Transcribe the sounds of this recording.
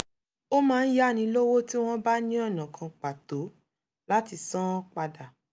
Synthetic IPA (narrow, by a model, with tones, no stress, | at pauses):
o˦mãː˦˧n̩˦ja˦˨nĩ˧lo˦wo˦ti˦w̃ɔ̃˦ba˦nĩ˦ɔ˦˨nã˨kʰã˨˧k͡pa˨to˨˦ | la˦ti˧sã˦k͡pa˧da˨